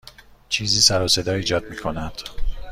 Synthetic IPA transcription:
t͡ʃʰiːziːsæɾose̞d̪ɒːiːd͡ʒɒːd̪̚miːkʰo̞næd̪̥

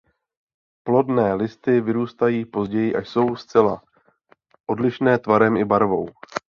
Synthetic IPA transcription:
plo̞dnɛːlɪst̪ɪvɪɾuːst̪ajiːpo̞zɟɛjɪʔaʃso̞wst͡sɛla̰ | ʔo̞dlɪʃnɛːt̪vaɾɛmɪbaɾvo̞w

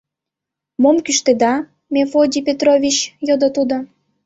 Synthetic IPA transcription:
momkyʃt̪ed̪ɑ | mʲefodʲipʲet̪rovʲit͡ɕjod̪ot̪ud̪ŏ

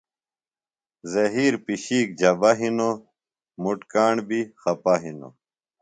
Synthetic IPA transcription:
zɐɦiːɾpiɕiːk̚d͡ʑɐbaɦino | muʈkaːɳbixɐpaɦino̰

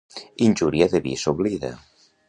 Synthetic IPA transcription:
inʲd͡ʒuɾiaðeβḭsoβliða̰

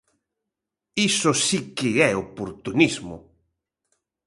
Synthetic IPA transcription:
isʊsikɪɛopoɾt̪unizmʊ̰

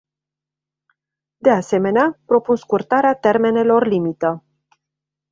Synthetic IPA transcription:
d̪e̞ase̞me̞neapɾo̞punskurt̪aɾeat̪e̞rme̞ne̞lo̞rlimit̪ə

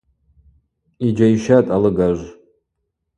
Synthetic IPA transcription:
id͡ʒaiʃatʼalɨɡaʒʷ

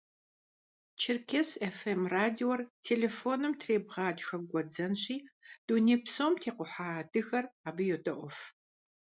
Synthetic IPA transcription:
t͡ʃʰɪrkʰʲesefemraːdiwɔrtʰeːlefoːnɨmtʰreːbʁɑːdxɐɡʷɔd͡zɐnɕiːd̥unepsomtʰeːqʷʊħadɨɣɐraːbɨjotʼɐʔʷɔf

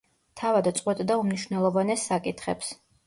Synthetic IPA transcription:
t̪ʰavad̪t̪sʼqʼwɛt̪ʼd̪aumniʃvnɛlˠɔvanɛsːakʼit̪ʰχɛps

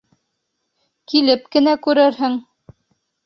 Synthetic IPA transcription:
kilɘp̚kɘ̆nækʉɾɘɾɦɘŋ

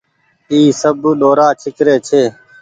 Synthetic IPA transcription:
iːsəbɗoːɾaːt͡ʃʰɪkɾeːt͡ʃʰeː

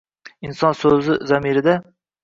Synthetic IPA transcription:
insɑnsɵzɪzæmiɾɪd̪ɛ

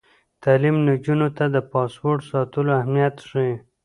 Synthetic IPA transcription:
t̪ɑlimnad͡ʒunot̪ad̪əpɑspoɾʈsɑt̪əloahmijat̪ʂi

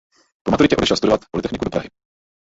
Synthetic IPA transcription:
pomat̪uɾɪcɛʔodɛʃɛlst̪udovat̪po̞lɪt̪ɛxnɪkudopɾaɦɪ

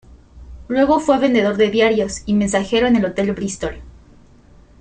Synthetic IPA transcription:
lwe̞ɣo̞fweβe̞nd̪e̞ð̞o̞ɾðe̞ðjaɾjo̞simẽns̬axe̞ɾo̞ene̞lo̞t̪e̞lbɾist̪ol

